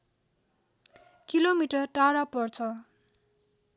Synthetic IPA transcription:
kilomiʈʌrʈaɾapʌrt͡sʰʌ

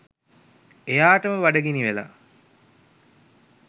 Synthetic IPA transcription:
ejaːʈəməʋaɖəɡeniʋela̰

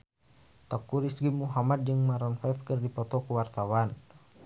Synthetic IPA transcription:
t̪akuɾisɡimuɦamat̪̚d͡ʒɨŋmaɾɔnfaifkɨrdipɔt̪ɔkuwart̪awan

